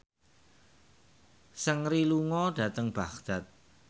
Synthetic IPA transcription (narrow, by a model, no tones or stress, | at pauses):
səŋriluŋɔd̥ä̤t̪əŋb̥aχd̪̥a̤t̪̚